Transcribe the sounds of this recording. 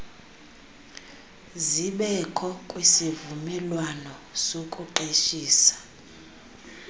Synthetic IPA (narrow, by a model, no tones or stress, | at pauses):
ziɓɛkʰɔkʼwisivumɛlwanɔsokʼuǃeʃiːsḁ